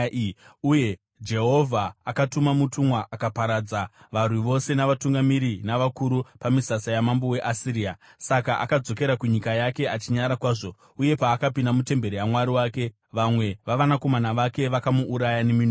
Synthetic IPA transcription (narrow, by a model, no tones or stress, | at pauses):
uje̞ | d͡ʒe̞ɦo̞vʱaːkatumamutumwaʔakapaɾad͡za | ʋarwiʋo̞se̞naʋatuŋɡamiɾinaʋakuɾupamisasajamambowe̞ʔasiɾiːa | sakaʔa̰kad͡zo̞ke̞ɾakuɲikajake̞at͡ʃiɲaɾakwaːʐo̞ | uje̞paːkapindamute̞mbe̞ɾijamwaɾiwaːke̞ | ʋamwe̞ʋaʋanako̞manaʋake̞ʋakamuʔːɾajanemin